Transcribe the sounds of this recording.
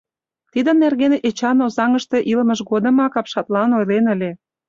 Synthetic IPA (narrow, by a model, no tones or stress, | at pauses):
t̪id̪ə̆nːerɣenʔet͡ɕɑnozɑŋə̆ʃt̪eʔilməʃɣod̪ə̆mɑkɑpʃɑt̪lɑnojlenə̆lʲe